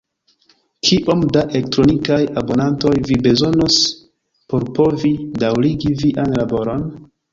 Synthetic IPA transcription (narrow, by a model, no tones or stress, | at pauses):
kʰiʔo̞mdaʔelek̚tɾo̞nikajabo̞nanto̞jvibe̞zo̞nos | po̞ɾpo̞vidawɾiɡiviʔanlabo̞ɾo̞n